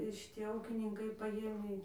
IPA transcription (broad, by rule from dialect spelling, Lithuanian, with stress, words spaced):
ʃʲɪˈtʲiɛ ˈuːkʲɪnʲɪŋkɐɪ pɐˈʋʲiɛnʲɛɪ